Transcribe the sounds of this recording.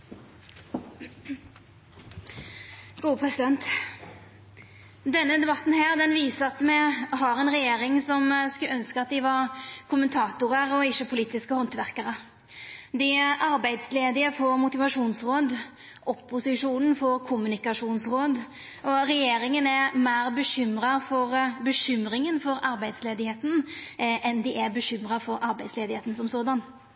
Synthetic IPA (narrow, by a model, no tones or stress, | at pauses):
ɡ̥uːəpʰʁɛsɪd̪ɛnt̪ | d̪ɛnːəd̪ɛbɑt̪n̩ɦæːʁd̪ɛnʋiːsəɑt̪mɛɦɑɾɛnʁɛjeːɾɪŋsɔmskʉœnskəɑt̪̚d̪ɪʋɑʁkʰʊmːənt̪ʰɑːt̪ʊʁəʁɔɪʃːəpʰʊliːt̪ɪskəhɔnt̪ʋæʁkəʁə | d̪ɪʔɑɾbæɪd̪sleːd̪ɪəfoɾmʊt̪ɪʋɑʂuːnsʁoːd̪ | ʔʊpːʊsɪʂuːnən̩fɔɾkʰʊmʉnɪkɑʂuːnsɾoːd̪ | ɔɾɛjeːɾɪŋənæmæːɾbəɕʏmɾɑfɔɾbəɕʏmɾɪŋənfɔɾɑɾbæɪd̪sleːd̪ɪheːt̪n̩ | ɛnd̪ɪʔæbəɕʏmɾɑfɔɾʔɑɾbæɪd̪sleːd̪ɪheːt̪n̩sɔmsoːd̪ɑn